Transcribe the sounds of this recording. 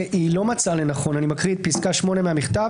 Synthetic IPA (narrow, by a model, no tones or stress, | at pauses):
ʔilo̞mat͡sale̞naχo̞nanimakʁid̪̚piskaʃmo̞ne̞meamiχt̪av